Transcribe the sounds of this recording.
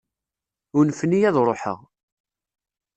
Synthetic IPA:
unfnijæðɾˤoħə̰ʁ

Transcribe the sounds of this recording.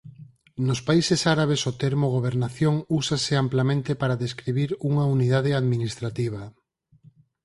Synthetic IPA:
nʊspaisesaɾaβ̞esot̪eɾmoɣ̞oβeɾnaθjoŋusaseamplamẽnt̪epaɾaðeskɾiβiɾuŋauniðað̞eaðminist̪ɾat̪iβ̞ɐ

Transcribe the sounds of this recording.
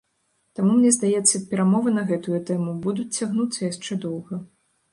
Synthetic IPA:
t̪amumnʲɛzd̪ajɛt̪sːɐpʲɛɾamɔvɨnɐɣɛt̪ujut̪ɛmubud̪ut͡sʲt͡sʲːaɣnut̪sːɐjaʂt͡ʂɛd̪ɔwɣɐ

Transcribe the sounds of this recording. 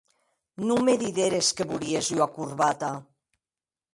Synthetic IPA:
numeðiðeɾeskeβuliezuakuɾβat̪a

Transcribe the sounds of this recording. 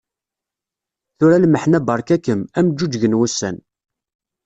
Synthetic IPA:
θʊɾælməħnæbɑɾˤkækːəmæmd͡ʒːud͡ʒʝənwusːæ̰n

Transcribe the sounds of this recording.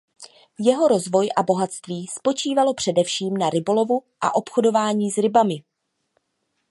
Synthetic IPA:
jɛɦo̞ɾo̞zvo̞jʔabo̞ɦat̪st̪viːspo̞t͡ʃiːvalo̞pr̥ɛdɛfʃiːmnaɾɪbo̞lo̞vuʔa̰ʔo̞pxodo̞vaːɲiːzɾɪbamɪ

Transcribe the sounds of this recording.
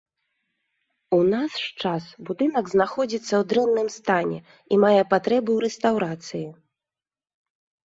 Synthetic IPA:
unasʂt͡ʂasbud̪ɨnɐɡznaxɔd͡zʲit̪sːɐwd̪ɾɛnːɨmst̪anʲɛ̰ | imajɛpat̪ɾɛbɨwɾɛst̪awɾat̪sɨji

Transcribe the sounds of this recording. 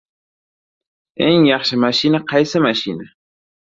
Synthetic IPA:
eŋjɑχʃɪmaʃinaqʰɑjsɪmaʃina

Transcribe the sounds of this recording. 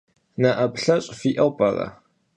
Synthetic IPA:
nɐʔɐpɬɐɕʼfiːʔɐwpʼɐrɐ̰

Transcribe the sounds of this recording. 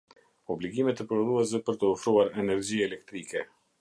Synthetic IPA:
ɔbliɡimɛt̪əpəɾðuɛs̬ɛpəɾt̪əɔfɾuaɾɛnɛɾd͡ʑiɛlɛk̚t̪ɾikɛ

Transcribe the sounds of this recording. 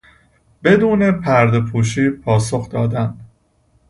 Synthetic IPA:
be̞d̪uːne̞pʰæɾd̪epʰuːʃiːpʰɒːso̞xd̪ɒːd̪ænd̪

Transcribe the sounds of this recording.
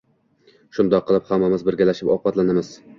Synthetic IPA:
ʃʊnd̪ɒqʰːɨlˠɪphamːamɪzbɪɾɡʲalaʃɪpɒpɑt̪lanamɪz̥

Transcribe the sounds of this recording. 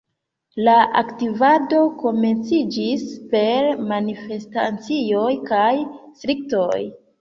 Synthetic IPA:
laʔa̰ktivado̞ko̞me̞nt͡sid͡ʒispe̞ɾmanife̞sta̰t͡sijo̞jkajstɾik̚to̞j

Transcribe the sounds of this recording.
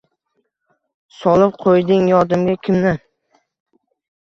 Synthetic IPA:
sɒlˠɪp̚qʰojd̪ɪŋjɒɾd̪ɪmɡʲakʲʰɪmnɪ

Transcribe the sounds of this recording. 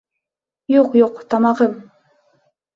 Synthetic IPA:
joqjoqt̪ʰɑmɑʁɤm

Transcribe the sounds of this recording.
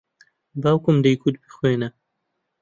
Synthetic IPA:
bawkumd̪ajkut̪̚bixwena

